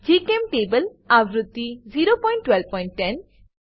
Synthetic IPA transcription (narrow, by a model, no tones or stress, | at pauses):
d͡ʒikemʈebəl | aʋɾut̪ːiziɾopɔjɳʈːwɛlb̚pɔjɳʈʈɛn